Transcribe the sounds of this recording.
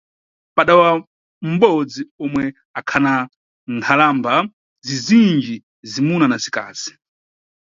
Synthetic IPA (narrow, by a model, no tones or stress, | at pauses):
paɗawa | m̩ɓɔd͡ziɔmwɛ | akʰana | ntʰalamba | zizind͡ʒi | zimunanazika̰ːz̥i̥